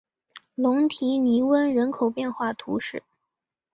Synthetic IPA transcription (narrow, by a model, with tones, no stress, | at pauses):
lʊ˧˥ŋt̪ʰi˧˥ni˧˥wə˥nɻə˧˥nkʰo˨˩ʊpjɛ˥˧nxwa˥˩t̪ʰu˧˥ʂɻ̩˥˩